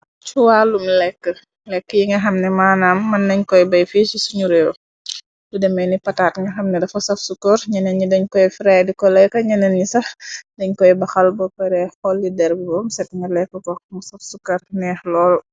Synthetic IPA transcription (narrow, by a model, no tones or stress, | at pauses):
t͡ʃuwaːlumlɛkːə | lɛkːəjiŋɡɐxɐmnɛmaːnamːɐnːɐɲkɔjbɐjfiːsisuɲuɾɛw | dudɛmɛnipɐtaːtŋɡɐxɐmnɛdɐfɐsɐfsukːɔɾɲɐnɛnɲidɐɲkɔjfɾɛːdikɔlɛkːɐɲɐnɛnɲisɐxdɛɲkɔjbɐxɐlbɔkɛɾɛxɔlːidɛɾbbɔmsɛtŋɡɐlɛkːəkɔmsɐfsukɐrnɛːxlɔːl